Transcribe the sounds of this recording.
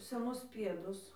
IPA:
sʲɛˈnʊs ˈpʲiɛdʊs

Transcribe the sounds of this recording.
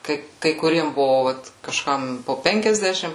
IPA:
ˈkɐɪ kɐɪ kʊˈrʲiɛm ˈbʊʋoː ˈʋɐt kɐʃˈkɐm poː ˈpʲɛŋʲkʲɛzʲdʲɛʃʲɪm

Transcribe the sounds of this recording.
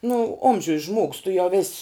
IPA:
nʊ ˈoːmʲʒʲʊj ʒmoːks tʊ jɛʊ ʋʲeːsʲ

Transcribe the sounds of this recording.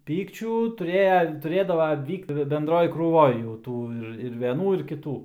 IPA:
ˈpʲiːkt͡ʃʲuː tʊˈrʲeːjɛ tʊˈrʲeːdɐʋɐ ˈʋʲiːkt bʲɛnˈdroːj kruːˈʋoːj jɛʊ ˈtuː ɪr ɪr ʋʲɛˈnuː ɪr kʲɪˈtuː

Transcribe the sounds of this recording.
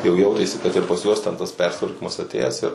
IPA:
jɛʊ ˈjɛʊtʲeːsʲɪ kɐt ɪr pɐs ˈjuɔs tʲɛn tɐs ˈpʲɛrʲsʲɪtʋɐrʲkʲiːmɐs ɐˈtʲeːjæːs ɪr

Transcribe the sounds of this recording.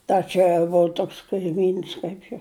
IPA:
ˈtɐ t͡ʃʲɛ ʋoː ˈtoːks kɐɪˈmʲiːns ˈkɐɪp joː

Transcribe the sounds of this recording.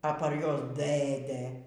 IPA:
ɐ pɐr ˈjuɔs ˈdɘdɘ

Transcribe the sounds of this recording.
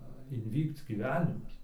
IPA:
ɪnʲˈʋʲiːkt͡s ɡʲiːˈʋʲæːnʲɪmɐs

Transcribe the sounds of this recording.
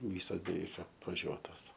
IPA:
ˈʋʲiːsɐs bʲɛˈʋʲɛɪk ɐpʋɐˈʒʲuɔtoːs

